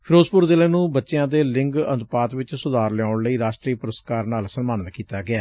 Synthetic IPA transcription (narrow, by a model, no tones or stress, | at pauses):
pʰɪɾoːzpʊɾzɪleːnũːbətːʃeãːd̪eːlɪŋɡənd̪paːt̪ʋɪt͡ʃsʊd̪aːɾlɛaːʊɳləiːɾaːʃʈɾiːpʊɾəst̪kaːɾnaːlsənmaːnət̪kiːt̪aːɡɪaː